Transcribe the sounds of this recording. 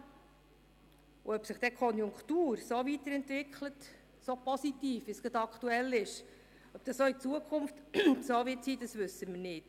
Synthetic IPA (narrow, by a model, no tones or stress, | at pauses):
uœpsəχd̥̪ɛkʰχɔnjʊŋkχt̪uːɾsovit̪əɾɛnt̪vɪkʰχlət | sopɔsit̪iːfʋisɡ̥ɑd̪ɑkχtuɛlɪʃ | œp̚d̥ɑsoit͡suəkʰʊmftsoːʋɪtsiːd̥̪ɑsʋʏsːəmɪɾnɪt